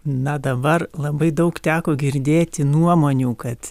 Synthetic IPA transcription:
nɐd̪ɐbɐrlˠɐbɐɪd̪ɐʊkt̪ʲæːkoːɡʲɪɾʲd̪ʲeːt̪ʲɪnuɔmoːnʲuːkɐt̪

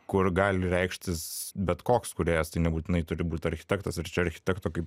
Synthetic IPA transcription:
kʊrɡɑːlʲɪɾʲɛɪkʃʲt̪ʲɪsbʲɛt̪koːkskʊɾʲeːjɛst̪ɐɪnʲɛbuːt̪ʲɪnɐɪt̪ʊɾʲɪbuːt̪ʲɐɾʲxʲɪ̥t̪ʲɛkt̪ɐsɪɾt͡ʃʲɛɐɾʲxʲɪ̥t̪ʲɛkt̪oːkɐɪp

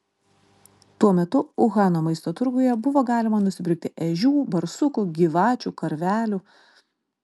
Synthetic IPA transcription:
t̪uɔmʲɛt̪ʊʊɣɑːnoːmɐɪst̪oːt̪ʊɾɡʊjɛbʊʋoːɡɑːlʲɪmɐnʊsʲɪbʲɾʲɪk̚t̪ʲɪʔɛʒʲuːbɐɾsʊkʊɡʲiːʋɑːt͡ʃʲuːkɐɾʲʋʲæːlʲuː

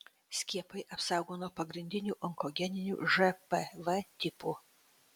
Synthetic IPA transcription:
sʲkʲiɛpɐɪʔɐpsɑˑʊɡoːnoːɔpɐɡɾʲɪnʲd̪ʲɪnʲuːʔɔŋkɔɡʲɛnʲɪnʲṵːʒɛpɛʋɛt̪ʲɪpu

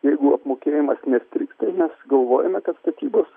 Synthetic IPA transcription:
jɛɪɡʊɐpmoːkʲeːjɪmɐsnʲɛsʲt̪ʲɾʲɪkst̪ɐɪmʲɛsɡɐlˠʋoːjɛmʲɛkɐt̪st̪ɐt̪ʲiːboːs

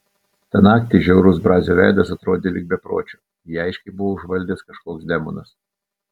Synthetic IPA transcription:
t̪ɐnɑːkt̪ʲɪʒʲɛʊɾʊsbɾɑːzʲoːʋʲæˑɪd̪ɐsɐt̪ɾoːd̪ʲeːlʲɪɡ̚bʲɛpɾo̰ːt͡ʃʲo̥ː | jiɐɪʃʲkʲɛɪbʊʋoːʊʒʋɐlʲd̪ʲeːskɐʃkoːksd̪ʲɛmɔ̰nɐs

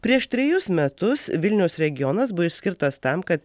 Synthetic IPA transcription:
pʲɾʲiɛʃt̪ʲɾʲɛjʊsmʲɛt̪ʊsʋʲɪlʲnʲɛʊsɾʲɛɡʲɪjɔnɐsbʊɔɪʃʲsʲkʲɪɾt̪ɐst̪ɐmkɐt̪

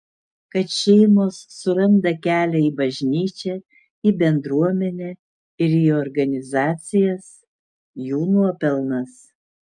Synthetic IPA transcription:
kɐt̪ʃʲɛɪmoːsːʊɾɐnd̪ɐkʲæːlʲɛiːbɐʒʲnʲiːt͡ʃʲɛ | iːbʲɛnd̪ɾuɔmʲɛnʲɛ | ɪɾiːɔɾɡɐnʲɪzɑːt̪sʲɪjɛs | juːnuɔpʲɛlˠnɐs

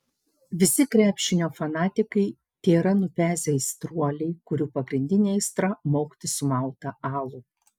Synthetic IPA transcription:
ʋʲɪsʲɪkɾʲæːpʲʃʲɪnʲoːfɐnɑːt̪ʲɪkɐɪ | t̪ʲeːɾɐnʊpʲæːzʲest̪ɾuɔlʲɛɪkʊɾʲuːpɐɡɾʲɪnʲd̪ʲɪnʲeɪst̪ɾɐmoːkt̪ʲɪsʊmɑˑʊt̪ɐɑːlˠʊ

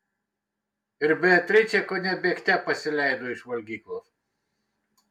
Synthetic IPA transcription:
ɪɾbʲɛt̪ʲɾʲɛt͡ʃʲɛkonʲɛbʲeːkt̪ʲɛpɐsʲɪlʲæˑɪd̪oːɪʃʋɐlʲɡʲiːklˠoːs

